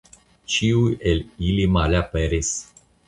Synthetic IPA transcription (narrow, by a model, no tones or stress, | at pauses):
t͡ʃiuelilimalʲapeɾis